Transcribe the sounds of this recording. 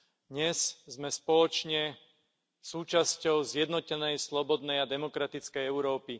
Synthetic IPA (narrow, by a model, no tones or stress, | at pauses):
d̪ɲɛzzmɛspɔlɔt͡ʃɲɛ | suːt͡ʃascɔʊzjɛd̪nɔcɛnɛjslɔbɔd̪nɛjad̪ɛmɔkɾat̪it͡skɛjɛʊɾɔːpi